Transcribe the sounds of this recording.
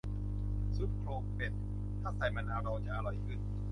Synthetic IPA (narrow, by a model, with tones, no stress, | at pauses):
su˦˥t̪̚kʰloː˧k̚pe˨˩t̪̚ | t̪ʰːaː˥˩sa˨˩jmaː˧naː˧˥wɾa˧wt͡ɕa˨˩ʔa˧ɾɔ˨˩jkʰɯ˧˥˩n